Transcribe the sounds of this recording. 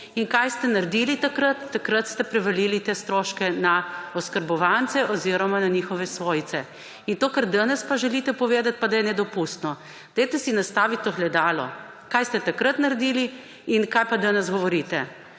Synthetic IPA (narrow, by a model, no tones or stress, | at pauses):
inkajst̪ɛnaɾd̪ilit̪akɾət̪ːakɾət̪st̪ɛpɾɛʋɐlilit̪eːst̪ɾoːʃkɛnaɔskəɾbɔʋant̪sɛʔɔziɾɔmananixɔʋɛsʋoːjt̪sɛ | int̪oːkəɾd̪anɛspaʒɛlit̪ɛpɔʋeːd̪at̪̚pad̪ajɛnɛd̪ɔpust̪nɔ | d̪̥ɛjt̪ɛsinast̪aːʋit̪ːoxlɛd̪aːlɔ̰ | kajst̪ɛt̪akɾət̪naɾd̪ili | inkajpad̪anɛsɡɔʋɔɾit̪ɛ